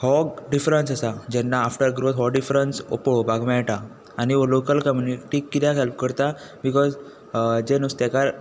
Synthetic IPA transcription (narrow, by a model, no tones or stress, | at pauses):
hɔkɖifɾənsasad͡ʑɛnːaːfʈəɾɡɾod̪ɦɔɖifɾənso̰pɭobʱaɡmɛɭʈaː | ñiolokəlkɔmjuniʈikːit̪jaɦɛlp̚kəɾt̪a | bikɔz | d͡ʑenust̪akaɾ